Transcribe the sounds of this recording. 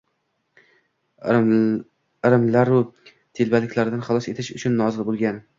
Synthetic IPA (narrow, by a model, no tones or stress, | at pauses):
ɾɪmlaɾʊ | t̪ʰelbalɪkʲlaɾɪd̪anχɑlˠɒse̞t̪ʰɪʃʊt͡ʃʰʊnːɒzɪlbolˠɡʲan